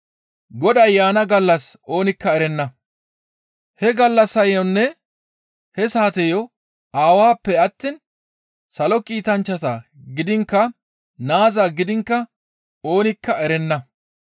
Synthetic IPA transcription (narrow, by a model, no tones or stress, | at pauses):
ɡɔd̪ɐjːaːnɐɡɐlːɐso̞ːnɪkːɐɛɾɛnːɐ | hɛɡɐlːɐsːɐjɔnːɛ | hɛsaːt̪ɛjɔ | aːwaːpːɛɐt̪ːin | sɐlɔkʼiːt̪ɐnt͡ʃːɐt̪aɡɪd̪ɪŋkːɐ | naːzaːɡɪd̪ɪŋkːɐ | o̞ːnɪkːɐɛɾɛnːɐ